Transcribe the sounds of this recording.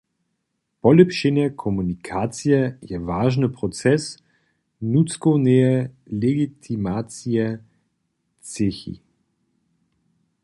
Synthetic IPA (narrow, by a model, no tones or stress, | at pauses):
pɔlɛpʃinɛkʰɔmunikʰaːt͡sijɛjɛvaːʒnəpʁɔt̪t͡sɛs | nutt͡skonɛjɛ | lɛɡit̪ʰimat͡sijɛ | t͡sexḭ